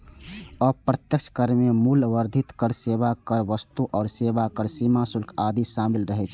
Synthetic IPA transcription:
ɔpɾət̪jək̚t͡ʃʰkəɾmemulʋəɾd̪ʱit̪kəɾseβakəɾʋəst̪uʔɔːɾsebakəɾsimasulkʰad̪isamilɾəɦɛt͡ʃʰ

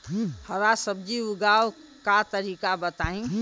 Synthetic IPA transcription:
həɾasəbd͡ʒiuɡaw | kat̪əɾiːkabət̪aĩ

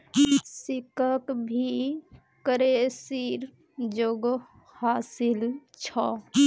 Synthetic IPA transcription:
sikəkbʱi | kəɾesiɾ | d͡ʒoɡ | haːsilt͡ʃʰɔ

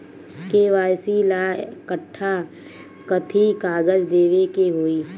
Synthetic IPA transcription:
keʋaːjsilakəʈʰːa | kət̪ʰikaːɡəd͡ʒd̪eːʋekeɦoiː

